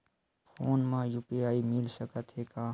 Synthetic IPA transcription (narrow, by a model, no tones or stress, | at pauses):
pʰoːnmãːjuːpiaːimɪlsəkət̪ɦeːkaː